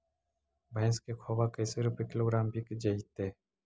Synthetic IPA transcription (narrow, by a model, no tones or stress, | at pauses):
bʱɐ̃ːskekʰoːbakɐjseɾupekɪloːɡɾaːmbʱikd͡ʒɐit̪eː